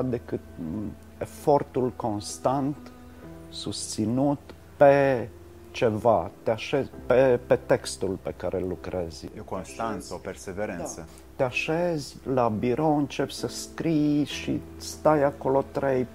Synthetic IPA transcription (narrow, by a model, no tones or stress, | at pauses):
d̪ekɨt̪ | efo̞rt̪ulko̞nst̪ant̪ | sust̪sinut̪ | pe | t͡ʃevat̪eaʃezpepet̪ekst̪ulpekaɾʔelːukɾezkonst̪ansopeɾseveɾenssə | t̪eaʃezʲlabiɾoɨnt͡ʃepsəskɾijʃḭ | st̪ajako̞lot̪ɾej